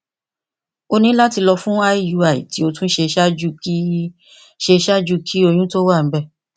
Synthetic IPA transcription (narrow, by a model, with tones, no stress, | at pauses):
o˧nĩ˦la˦ti˧lɔ˧fũ˦a˦i˦ju˧a˨ḭ˨ti˨˦o˧tũ˦ʃe˧ʃa˦d͡ʒu˦˧k | ʃe˧ʃa˦d͡ʒu˦kʰi˦o˧j̃ũ˦to˦wa˦˨m̩˦bɛ˦˨